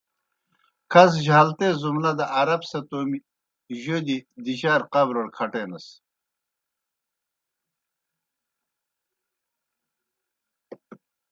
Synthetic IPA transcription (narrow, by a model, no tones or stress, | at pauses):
kʰɐz̬ʑaːlt̪ezumnɐd̪ɐʔaɾɐbsɐt̪oːmi | ʑod̪id̪iɕaːɾqɐbɾoɽkʰɐʈeːnɐs